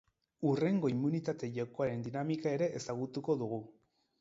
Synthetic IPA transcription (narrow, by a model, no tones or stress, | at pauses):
ure̞ŋɡo̞imːunit̪at̪e̞ʝawko̞aɾe̞nd̪inamikae̞ɾe̞ʔesaɣut̪uko̞ðuɣ̞u